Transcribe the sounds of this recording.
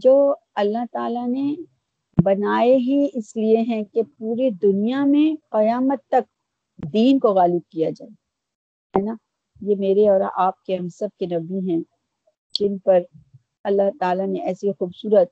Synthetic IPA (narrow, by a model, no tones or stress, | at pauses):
d͡ʒoː | ɐlːaɦt̪aːlane | bɐnaːeɦiɪslieɦɛ̃kepuːɾed̪ʊnijamẽqɐjaːmət̪ːɐk̚ | d̪iːnkoɣaːlɪb̚kijad͡ʒaːe | ɦɛːnaː | jemeːɾeɔːɾa̰ʔaːp̚keɦɐ̃msɐb̚kenɐbiɦɛ̃ | d͡ʒɪnpɐɾ | ɐlːaɦt̪aːlaneɛːsixuːbsuːɾət̪̚